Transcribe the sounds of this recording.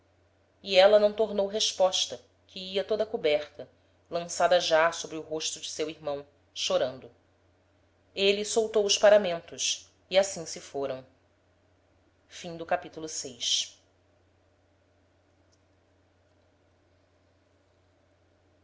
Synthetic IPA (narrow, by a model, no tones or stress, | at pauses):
iɛlɐnɐ̃w̃t̪oɾnowɦeʃpɔʃt̪ɐ | kʰɪiɐt̪od̪ɐkubɛɾt̪ɐ | lɐ̃sad̪ɐʒasobɾɪʊɦoʃt̪ʊd͡ʒɪsewiɾmɐ̃w̃ | ʃoɾɐ̃nd̪ʊ | elisowt̪owʊʃpaɾamẽnt̪ʊʃ | iasĩsɪfoɾɐ̃w̃ | fĩŋd̪ʊkapit̪ulʊsejʃ